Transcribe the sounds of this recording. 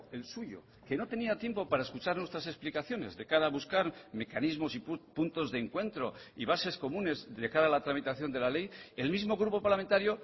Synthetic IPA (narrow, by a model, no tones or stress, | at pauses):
e̞lsuʝo̞̰ | ke̞no̞t̪e̞niat̪je̞mpo̞paɾae̞skut͡ʃaɾnwet̪ɾase̞splikaθjo̞ne̞̰zðe̞kaɾaβuskaɾme̞kanizmo̞sipunt̪o̞zðeŋkwe̞nt̪ɾo̞iβase̞sko̞mũne̞zðe̞kaɾaːlat̪ɾamit̪aθjo̞nd̪e̞lale̞je̞lmizmo̞ɣ̞ɾupo̞paɾlament̪aɾjo̞